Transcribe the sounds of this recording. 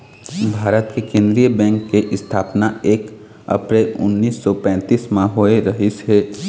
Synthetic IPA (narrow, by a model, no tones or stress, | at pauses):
bʱaːɾət̪kekẽːnd̪ɾijəbɛ̃ːŋkːeʔɪst̪ʰaːpnaeːk | ə̰pɾeːlʊ̰nːiːsːɔpɛ̃ːt̪iːsmãɦoːeɾɐɦɪsɦɛː